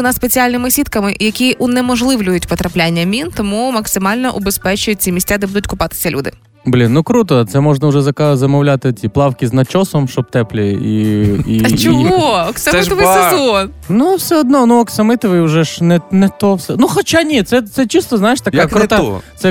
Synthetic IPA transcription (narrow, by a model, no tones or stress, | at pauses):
naspet͡sʲialʲnɪmɪsʲit̪̚kɐmɪjɐkʲiʔunɛmɔʒlˠɪʋlʲʊjʊtʲpɔt̪ɾɐplʲanʲːɐmʲint̪ɔmumɐksɪmɑlʲnɔʔʊbespɛt͡ʃʊjʊt̚ʲt͡sʲimʲisʲtʲːad̪ɛbud̪ʊtʲkʊpɑt̪ɪ̥sʲɐlʲṵd̪ɪ̰ | blʲinːukɾut̪ɔt̪sɛmɔʒnɐʊʒɛzɐkazɐmɔwlʲat̪ɪtʲiplˠɑwkʲiznɐt͡ʃɔsɔmʃt͡ʃɔb̚t̪ɛplʲɪḭḭɐt͡ʃt͡ʃɔɦoɔksɐmɪt̪ɔʋɪsezɔn | nuwsʲɛɔd̪nɔnuɔksɐmɪt̪ɔʋɪjʊʒɛʃnɛnɛt̪ɔwsʲɛnuxɔt͡ʃanʲit̪sɛt̪sɛt͡ʃist̪ɔznajɪʃt̪ɐkakkɾʊt̪at̪sɛ